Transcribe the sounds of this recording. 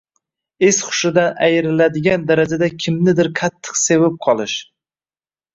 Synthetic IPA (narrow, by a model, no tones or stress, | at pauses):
esχʊ̥ʃɪd̪anajɪɾɪlad̪ɪɡʲand̪aɾad͡ʒad̪akʲʰɪmnɪd̪ɪɾqʰat̪ʰːɨ̥qse̞vap̚qʰɒlˠɪʃ